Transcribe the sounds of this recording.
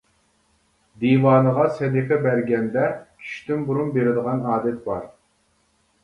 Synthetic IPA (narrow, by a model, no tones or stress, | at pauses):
d̪iwɑːnəʁɑsɛd̪iqʰɛbæɾɡʲɛnd̪ɛkʲʰy̥ʃt̪ʰymbuɾunbeɾɪd̪əʁɑnɑːd̪ɛt̪̚bɑɾ